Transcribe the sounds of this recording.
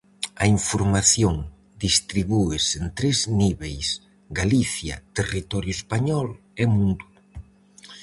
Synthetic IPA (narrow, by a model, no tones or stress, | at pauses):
ɐiɱfoɾmaθjoŋ | d̪ist̪ɾiβuesent̪ɾezniβejs | ɡaliθjɐ̰t̪erit̪ɔɾjʊespaɲɔl | emũnd̪u